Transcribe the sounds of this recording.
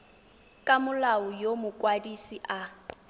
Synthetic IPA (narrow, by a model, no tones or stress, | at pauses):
kʼamʊlaʊjomʊkʼwadisiʔa